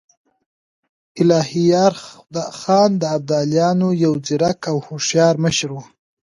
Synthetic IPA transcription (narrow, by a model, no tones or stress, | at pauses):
ɪlɑhijɑɾd̪ɑxɑnd̪əab̚d̪ɑljɑnojawd͡ziɾakawhoʂjɑɾməʃɾwu